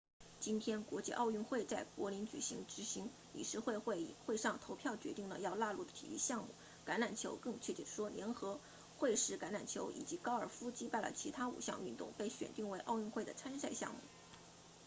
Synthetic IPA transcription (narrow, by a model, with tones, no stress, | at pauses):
t͡ɕi˥nt̪ʰjɛ˥nkwɔ˧˥t͡ɕi˥˧ʔɑ˥˧ʊy˥˧nxwe˥˧ɪt͡sa˥˩ɪpwɔ˧˥li˧˥nt͡ɕy̰˨˩ɕi˧˥ŋʈ͡ʂɻ̩˧˥ɕi˧˥ŋ | ḭ˨˩ʂɻ̩˥˧xwe˥˧ɪ˥˩xwe˥˧ɪʂɑ˥˩ŋt̪ʰo˧˥ʊpʰjɑ˥˩ʊt͡ɕɥɛ˧˥t̪i˥˩ŋd̪ə˩jɑ˥˧ʊla˥˧lu˥˩d̪ə˩t̪ʰḭ˨˩ḭ˥˧ɕjɑ˥˧ŋmṵ˥˩ | ka˧˥ɪla˨˩nt͡ɕʰjo˧˥ʊkɤ˥˧ŋt͡ɕʰɥɛ˥˩t͡ɕjɛ˧˥˩ʂwɔ˥ljɛ˧˥nxɤ˧˥ | xwe˥˧ɪʂɻ̩˧˥˩ka˧˥ɪna˨˩nt͡ɕʰjo˧˥ʊʔḭ˨˩t͡ɕi˧˥kɑ˥ʊə˞˨˩fu˥t͡ɕi˥pa˥˩ɪlə̰˩t͡ɕʰi˧˥t̪ʰa˥ṵ˨˩ɕjɑ̰˥˧ŋy̰˥˧nt̪ʊ̰˥˧ŋpe˥˩ɪɕɥɛ̰˨˩nt̪i˥˩ŋwe˧˥ɪʔɑ˥˧ʊy˥˧nxwe˥˩ɪd̪ə̰˩t͡sʰa˥nsa˥˧ɪɕjɑ̰˥˧ŋmṵ˥˩